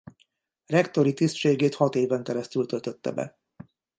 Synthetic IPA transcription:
rɛkt̪o̞ɾit̪ist̪ʃeːɡeːt̪hɒt̪eːvɛŋkɛɾɛst̪ylt̪ølt̪øt̪ːɛ̰bɛ̰

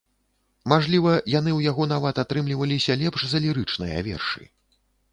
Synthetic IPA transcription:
maʐlʲivɐjanɨwjaɣɔnavat̪at̪ɾɨmlʲivɐlʲisʲɐlʲɛpʂzɐlʲiɾɨt͡ʂnɨjɐ̰vʲɛ̰rʂɨ̰

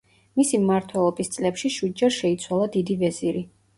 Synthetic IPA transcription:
misimmaɾt̪ʰwɛlˠɔbist̪sʼlɛpʃiʃwid̪̚d͡ʒaɾʃɛit̪sʰwalˠad̪id̪ivɛziɾi

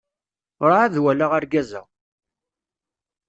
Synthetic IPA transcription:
ɾˤaaðwælaʁəɾɡæzæ̰

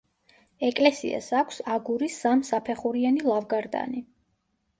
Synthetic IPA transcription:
ɛkʼlɛsḭa̰sakʷʰsaɡuɾisːamsapʰɛχuɾianilˠavɡaɾd̪a̰ni

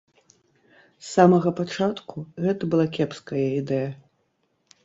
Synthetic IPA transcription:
sːamɐɣɐpat͡ʂat̪kuɣɛt̪ɐbɨlˠakʲɛpskɐjɐid̪ɛjɐ

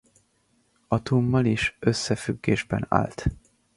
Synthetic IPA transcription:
ɒt̪uːmːɒliʃøsːɛfyɡːeːʒbɛ̰na̰ːlt̪

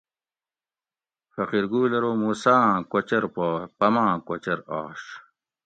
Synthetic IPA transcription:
fɐqiɾɡuːlɐɾoːmuːsãːkwɐt͡ɕɐɾpaːpɐmãːkwɐt͡ɕɐɾaːɕ

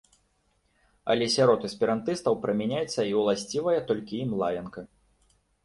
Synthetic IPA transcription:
ɐ̰lʲɛsʲaɾɔt̪ɨspʲiɾant̪ɨst̪ɐwpɾɐmʲɛnʲajɛt̪sːɐiwlˠasʲt͡sʲivɐjɐt̪ɔlʲkʲiimlˠajʲɐnkɐ

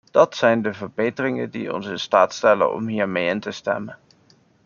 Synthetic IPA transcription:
d̥ɑtsɛjndəvəɹbejtərɪŋə̰dḭɔ̰nsɪnstaːtstɛlə̰nɔ̰mɦiːɹmejɪntəstɛ̰mən

